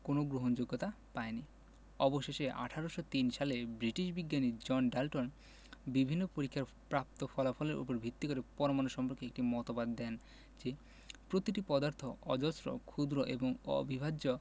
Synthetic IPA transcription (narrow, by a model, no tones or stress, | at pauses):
konoɡɾoɦond͡ʑoɡːot̪a | paeni | ɔboʃeʃeʔa̰ʈʰaɾoʃot̪inʃalebɾiʈiʃbiɡːanid͡ʑɔnɖalʈon | bibʱinːopoɾikʰːaɾ | pɾap̚t̪ofʰɔlafʰɔleɾʔṵpoɾbʱit̪ːikoɾepɔɾomanoʃɔmpoɾkeek̚ʈimɔt̪obad̪ːɛn | d͡ʑe | pɾot̪iʈipɔd̪aɾt̪ʰoɔd͡ʑɔsɾo̰kʰud̪ɾoʔḛboŋɔ̰bʱibʱad͡ʑo